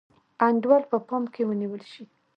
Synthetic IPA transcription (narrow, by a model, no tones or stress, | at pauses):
aɳɖwɑlpəpɑmkewəniwəlʃi